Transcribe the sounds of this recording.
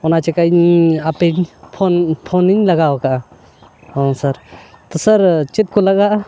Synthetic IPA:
ɔnat͡ʃɛkaɲapɛɲpʰɔnpʰɔniɲlaɡawakaʔa | ɔ̃saɾt̪ɔsaɾt͡ʃit̪̚kɔlaɡaʔa

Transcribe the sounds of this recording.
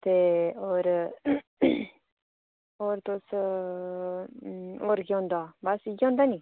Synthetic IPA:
t̪eoɾ | oɾt̪os | oɾɡõnd̪oabasiɡõnd̪ani

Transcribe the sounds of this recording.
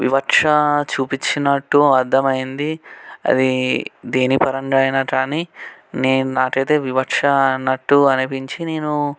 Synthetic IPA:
ʋḭʋɐkʂɐt͡ʃuːpit͡ʃːinɐʈːuɐɾd̪ɐmɐjind̪iɐ̰d̪id̪eːnipɐɾɐɳɖajnɐʈaːnineːnaːʈɐt̪eːʋiʋɐkʂɐnːɐʈːuɐnipiɲt͡ʃineːnu

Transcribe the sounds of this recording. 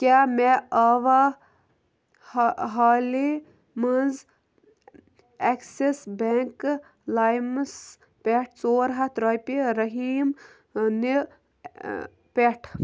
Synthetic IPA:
kʲameaːʋa | ɦaːli | mənz | eksesbeŋk | laːjms | peʈʰt͡soːɾɦɐt̪ɾɐjpiɾɐɦiːm | ni | pʲeʈʰ

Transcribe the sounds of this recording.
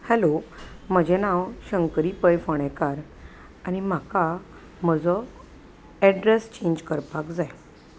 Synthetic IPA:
hɛlom̤əd͡ʑʱɛnawɕəŋkəɾiːpəjfəɽ̃ɛkaɾ | añim̤aka | m̤əd͡zɔ | ɛɖɾest͡ɕẽɲd͡ʑkəɾpakd͡zaj

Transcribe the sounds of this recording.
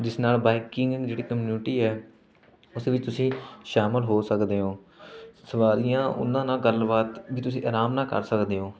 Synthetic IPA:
d͡ʒɪsnaːlbaːɪkɪŋɡɡd͡ʒeːɽiːkəmjuːnuʈiːɛː | ʊsʋɪt͡ʃt̪ʊsĩːʃaːməlɦoːsəkd̪eːõː | səʋaːɾiːjãːʔʊ̰nãːnãːɡəlbaːt̪ʋiːt̪ʊsĩːʔaːɾaːmnãːkə̰ɾsəkd̪eːɦõː

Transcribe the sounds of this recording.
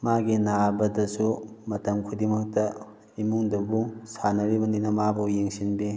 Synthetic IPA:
maɡinabɐdɐsumɐtɐmkʰudimɐk̚tɐ | imuŋdɐbusanɐɾibɐninɐmabɐjeŋsinbi

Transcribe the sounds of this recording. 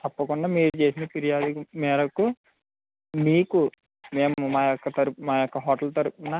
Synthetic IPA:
t̪ɐpːɐkuɳɖaːmiːɾut͡ʃe̞ːsinɐpiɾijaːd̪ukumɛːɾɐku | miːku | me̞ːmumaːjɔkːɐt̪ɐɾumaːjɔkːɐɦɔːʈɐlt̪ɐɾupɐnɐ

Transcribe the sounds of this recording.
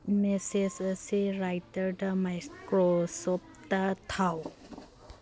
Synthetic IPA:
mesesəsiɾajt̪əɾdəmajkɾosop̚t̪ət̪ʰaw

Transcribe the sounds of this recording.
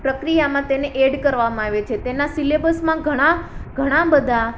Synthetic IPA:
pɾəkɾijamãt̪eneʔeɖkəɾʋamãaʋet͡ʃʰet̪enasilebəlsmãɡʱəɽ̃aɡʱəɽ̃ãbəd̪ʱa

